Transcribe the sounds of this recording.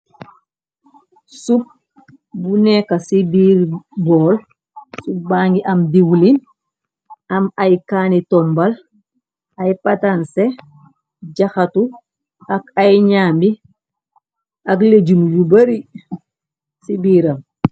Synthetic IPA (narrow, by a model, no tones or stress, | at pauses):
sup̚ | bunɛkasibiːɾbɔːl | sup̚baːŋɡiʔɐmdiwulin | ɐmajkaːnitɔmbal | ajpatanse | ɟaxatu | akajɲaːmbi | akled͡ʒunujubaɾi | sibiːɾam